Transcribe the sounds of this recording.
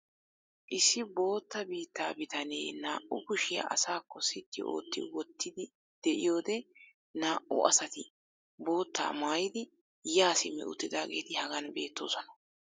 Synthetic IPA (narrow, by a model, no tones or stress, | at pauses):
ʔɪsːɪbo̞ːt̪ːɐbiːt̪ːaːbɪt̪ɐneːnaːʔʊkʊʃɪjɐ̰ʔɐ̰saːkːɔsɪt̪ːɪ̰o̞̰ːt̪ːɪ̰wɔt̪ːɪd̪ɪ | d̪̥ɛʔɪ̰jo̞ːd̪ɛ | naːʔʊ̰ɐ̰sɐt̪ɪ | bo̞ːt̪ːa̰ːmaːjɪd̪ɪ | jaːsɪmːɛ̰ʊ̰t̪ːɪd̪aːɡe̞ːt̪ɪhɐɡɐnbe̞ːt̪ːo̞ːsɔnɐ̥